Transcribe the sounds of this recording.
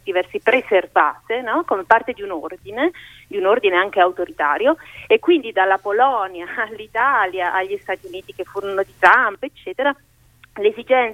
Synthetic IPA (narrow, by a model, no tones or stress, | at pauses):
d̪̥ivɛrsipɾezervaːt̪enɔkomepːart̪ed̪iunord̪ine | d̪iunord̪ineaŋk̟eawt̪oɾit̪aːɾjoekːwind̪id̪alːapolɔnjaːlːit̪aːljaʔaʎːist̪at̪iuniːt̪ikefːuːɾonod̪it̪ɾampoet͡ʃːɛːt̪eɾa | lezid͡ʒɛnt